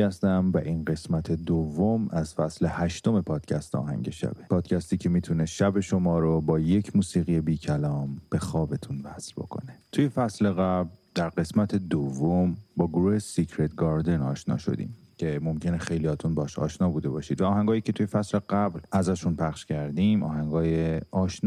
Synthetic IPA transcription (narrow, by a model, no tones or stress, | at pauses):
æst̪æmvæʔinɢe̞smæt̪ʰe̞d̪ovːomæzfæsle̞hæʃt̪o̞me̞pʰɒːd̪̥cʰæst̪ɒ̰ːɦæ̰ŋɟeʃæ̰b̥epʰɒːd̪̥cʰæst̪iːcʰe̞miːt̪ʰuneʃæbe̞ʃo̞mɒːɾobɒːjecʰmuːsiːɣije̞biːcʰælɒːmb̥e̞xɒːbe̞t̪ʰunvæsɾbo̞̰kʰo̞̰net̪ʰujefæsle̞ɣæbld̪̥æɾɢe̞smæt̪ʰe̞d̪ovːombɒːɡoɾuːhe̞sicʰɾet̪̚ʰɡɒːɾd̪e̞nɒːʃnɒ̰ːʃo̞̰d̪ḭːm | cʰe̞mo̞mcʰe̞nexe̞jliɒːt̪ʰunbɒɒʃɒ̰ːʃnɒːbuːd̪e̞bɒːʃiːd̪væɒːɦæŋɡɒːjiːcʰe̞t̪ʰujefæsle̞ɡæblæzæʃunpʰæχʃcʰæɾd̪imʔɒ̰ːɦæŋɡɒːjeɒːʃnː